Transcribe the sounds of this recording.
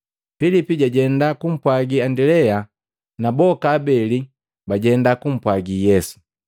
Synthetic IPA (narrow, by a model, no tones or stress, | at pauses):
filipiɟaɟɛndakum̩pwaɡiandɛlɛja | nabɔkaːbɛli | baɟɛndakum̩pwaɡijɛsu̥